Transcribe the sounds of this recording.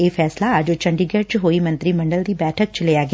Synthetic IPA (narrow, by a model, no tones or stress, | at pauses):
eːfʰɛːslaːəd͡ʒt͡ʃəɳɖiːɡɛt͡ʃɦoːiːmə̃nt̪ɾiːməɳɖəld̪iːbɛːʈʰək̚t͡ʃlejaːɡɪ